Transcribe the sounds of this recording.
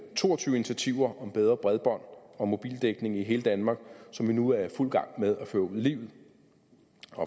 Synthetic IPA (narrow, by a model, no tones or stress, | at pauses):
t͡sʰo̝̰ːɒ̽t͡sʰyːʊinit͡sʰiæt͡sʰiʊ̰ɐʔɒ̽mb̥eð̞ˠʁɐb̥ʁɛðˠb̥ɒ̽n̰ɒ̽mo̝b̥ḭːld̥eɡ̥ne̝ŋiɦe̝ːləd̥ænmɑ̈ɡ̥sɒ̽mʋinuæɐful̰ɡ̥ɑ̈ŋ̰með̞ˠæføːɐuð̰ˠlḭːʊð̩ˠ | ɒ